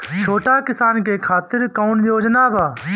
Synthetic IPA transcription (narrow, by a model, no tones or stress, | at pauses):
t͡ʃʰoːʈaːkɪsaːnkeːkʰaːt̪ɪɾkɔːnjoːd͡ʒnaːbʱaː